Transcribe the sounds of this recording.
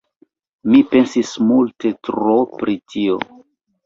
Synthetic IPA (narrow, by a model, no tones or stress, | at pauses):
mipe̞nsismulte̞tɾopɾitʰio̞̰